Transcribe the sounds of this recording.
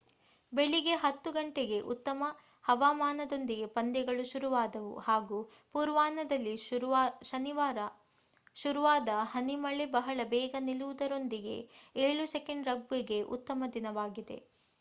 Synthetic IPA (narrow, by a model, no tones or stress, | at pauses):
beɭiɡe̞ɦɐt̪ːuɡɐɳʈeɡe̞ʔut̪ːɐmɐ | hɐʋaːmaːnɐd̪o̞nd̪iɡe̞pɐnd̪ɛɡɐɭuʃuɾuʋaːd̪ɐʋṵhaːɡuː | puːɾʋaːnɐd̪ɐlːiʃɐniʋaːɾɐ | ʃuɾuʋaːd̪ɐɦɐnimɐɭebɐɦɐɭɐbɛːɡɐniluʋud̪ɐɾo̞nd̪iɡe̞̰eːɭusekeɳɖɾɐbːiɡe̞ʔṵt̪ːɐmɐd̪inɐʋaːɡid̪e̞̰